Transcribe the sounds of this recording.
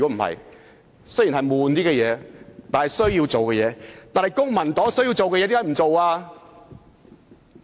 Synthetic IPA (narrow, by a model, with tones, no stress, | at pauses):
kɔ˨˥m̩˨˩hɐ̰˨j | sɵ˥ji˨˩nɦɐ˨jmuː˨˧nt̪iː˥kɛ˧jɛː˨˧t̪aː˨nhɐ˨jsɵ˥ɥji˧wt͡so˨wkɛ˧jɛː˨˧t̪aː˨nhɐ˨˩jkʊ˥ŋmɐ˨˩nt̪ɔː˨˥ŋsɵ˥ɥji˧wt͡so˨wkɛ˧jɛ˧t̪i˧˥a˥m̩˨˩t͡so˨waː˧